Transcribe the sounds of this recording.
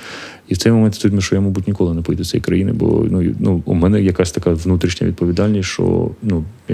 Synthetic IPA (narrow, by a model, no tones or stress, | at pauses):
iwt̪sɛjmɔmɛnt̪ʲt̪ut̪ʲmiʃt͡ʃɔjamɔbutʲnʲɪkɔlˠɪnɛpɔjid̪t͡sʲɛ̰j̰kɾɐ̰jinɪ̰bɔ̰nujnuʊmɛnɛjɐkasʲt̪ɐkaʋnut̪ɾʲiʃnʲɐ̰ʋʲid̪pɔʋʲid̪ɑlʲnʲisʲʃt͡ʃɔ̰nuj